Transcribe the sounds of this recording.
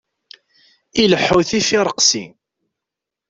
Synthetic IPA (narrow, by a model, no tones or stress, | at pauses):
iləħːuθifiɾˤəqsḭ